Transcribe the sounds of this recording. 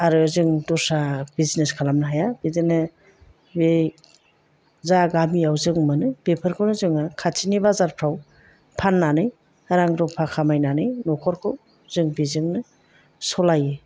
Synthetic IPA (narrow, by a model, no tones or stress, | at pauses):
aɾɯzɯŋdɔsab̥izneskʰalamnɯɦajabidɯnɯ | bej | zaɡamiawzɯŋmɯnɯbepʰɯɾkʰɯwnɯzɯŋɯkʰatʰinibazaɾpʰɾaw | pʰanːanɯj | aɾaŋɾɔpʰakʰamajnanɯjnɔkʰɔɾkʰɯw | zɯŋbizɯŋnɯ | sɔlajɯ